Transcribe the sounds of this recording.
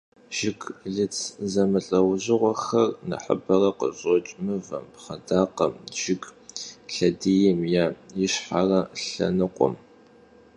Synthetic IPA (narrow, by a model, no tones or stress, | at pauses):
ʒ̥ɪɡɮɨt͡sʰzɐmɨɬʼɐwʑɪʁʷɔxɐrnɐ̰ħə̰bɐrɐqə̰ʑʼɔt͡ʃʼmɨvɐ̰mpχɐdaːqɐmʒ̥ɪɡɬɐdijɪmjaːjɪɕħarɐɬɐ̰nɨqʷʼɔ̰m